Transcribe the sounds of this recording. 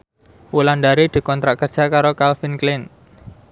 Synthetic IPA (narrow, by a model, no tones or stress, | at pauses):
wulanɖ̪aɾid̪̥i̤kɔnt̪ɾaʔkərd̥ʒ̥a̤kaɾokalfinklɪn